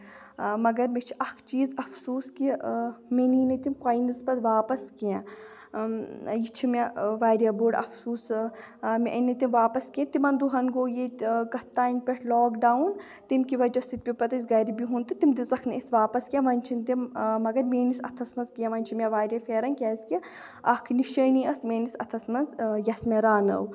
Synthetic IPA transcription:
mɐɡɐɾmet͡ʃʰiʔɐkʰt͡ʃiːzɐfsuːskimeniːnɐt̪imkaːinizpɐd̪ʋaːpɐskijãː | jit͡ʃʰimʲaʋaːɾʲjaboːɖɐ̰fsuːs | mʲiʔɐnit̪imʋaːpɐskijẽt̪imɐnd̪uɦɐnɡoːjeɡɐt̪ːaːinʲpʲeʈʰlɔːkɖaːwun | t̪imkiʋɐd͡ʒɐsit̪̚pʲipɐt̪ɐs̬ɡɐɾibiɦunt̪ɨt̪imd̪izɐkʰnʔisʋaːpɐskijẽʋɐnʲt͡ʃʰint̪immɐɡɐɾmeːnisɐ̰t̪ʰɐsmɐnzkijãʋɐnʲt͡ʃʰimʲɐʋaːɾʲjafeːɾɐnkʲɛːzki | ɐkʰniʃɐːniɐsmʲeːnisɐt̪ʰɐsmɐnzjɐsmʲeɾaːnɐ̰w

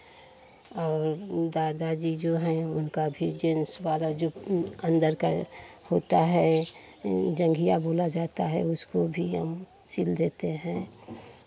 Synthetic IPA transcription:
ɔːɾd̪aːd̪ad͡ʒid͡ʒoɦɛ̃ʊnkabʱid͡ʒẽːnswaːd̪ad͡ʒoːə̃nd̪əɾka̰hoːt̪aɦɛ | d͡ʒə̃ŋɡʱijaboːlad͡ʒaːt̪aɦɛʊskobʱiɦə̰m | t͡ʃɪld̪eːt̪eɦɛ̃ː

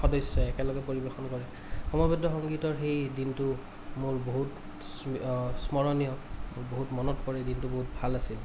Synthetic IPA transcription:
xɔdɔjsːɔɛkɛlɔɡɛpoɹibexɔnkɔɹɛ | xɔmɔbɔdɔxɔŋɡitɔɹxejdintʊ | mʊɹboɦut | ssmɔɹɔnijɔmʊɹboɦutmɔnɔtpɔɹɛdintuboɦut̚bʱalasil

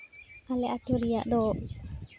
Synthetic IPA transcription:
alɛʔat̪oɾija̰ʔd̪ɔ

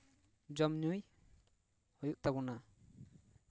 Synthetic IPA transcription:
d͡ʒɔmnuj | hɔjuʔ̚t̪aɡuna

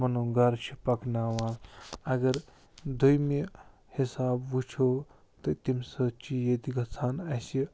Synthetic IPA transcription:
mɐnũɡɐɾt͡ʃʰipɐknaːʋaːlɐɡɐɾ | d̪ʱujmi | hisaːbʋut͡ʃʰoː | t̪ɨt̪imsɐt͡ʃijed̪iɡɐt͡sʰaːnɐsi

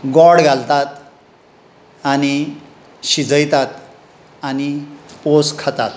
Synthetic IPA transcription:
ɡɔɽɡʱalt̪at̪ | ani | ɕid͡zəjt̪at̪ | aniposkʰət̪at̪

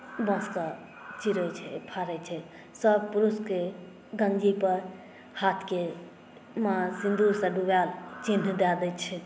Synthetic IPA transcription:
bə̃ska | t͡ʃiɾət͡ʃʰɛpʰaɾɛt͡ʃʰɛ | səb̚puɾuske | ɡə̃nd͡ʒipəɾ | hat̪ʰke | mãsĩnd̪ʱuɾsəɖubalt͡ʃinːd̪ad̪ɛt͡ʃʰɛ

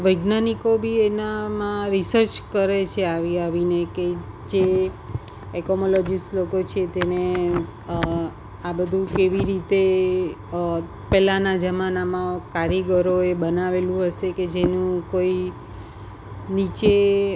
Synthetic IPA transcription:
ʋəɡnanikobʱienamãɾisəɾt͡ʃkəɾet͡ʃʰeaʋiaʋineke | d͡ʒe | ɛkomolɔd͡ʒislokot͡ʃʰet̪ene | abəd̪ʱũkeʋiɾit̪e | pɛlanad͡ʒəmanamãkaɾjeɡəɾoebənaʋelũɦəʃeked͡ʒenũkoi | nit͡ʃe

